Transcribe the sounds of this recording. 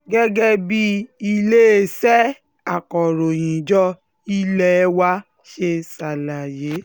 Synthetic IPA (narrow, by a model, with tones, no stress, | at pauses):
ɡɛ˦ɡɛ˦bi˦i˧le˦e˦sɛ˦ | a˨kɔ˨ɾo˨j̃ĩ˨d͡ʒɔ˦ | i˦lɛ˦wa˦ | ʃe˧˦sa˨la˨je˨˦